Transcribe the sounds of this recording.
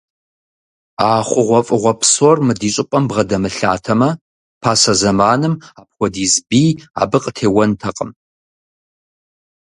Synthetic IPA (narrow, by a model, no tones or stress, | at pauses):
aːχʷʊʁʷɔfʼɨʁʷɔpsɔrmɨdiːɕʼɪpʼɐmbʁɐdɐmɨɬa̰ːtʰɐmɐ | pʰaːsɐzɐmaːnɨmaːp̚xʷɔdiːzbiːa̰ːbɨqʼtʰeːwɐntʰɐqʼəm